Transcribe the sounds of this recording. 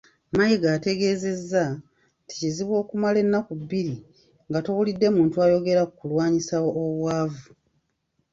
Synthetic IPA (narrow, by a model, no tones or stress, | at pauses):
majiɡaːte̞ɡe̞ːze̞zːa | tʰi̥ciziβwo̞ːkumale̞nːakubːiɾi | ŋɡatowulidːe̞muːntuajo̞ɡe̞ɾakukulwaːɲisawoʔːβwaːvu